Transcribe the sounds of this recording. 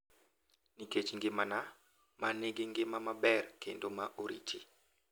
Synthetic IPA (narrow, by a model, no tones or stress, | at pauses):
niket͡ʃŋɡɪmana | manɪɡɪŋɡɪmamabɛrkendomaʔoɾḭt͡ʃi